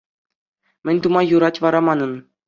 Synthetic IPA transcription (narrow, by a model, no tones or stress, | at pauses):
mʲɘ̆nʲt̪umɑjuɾɑtʲʋɑɾɑmɑnɤ̆n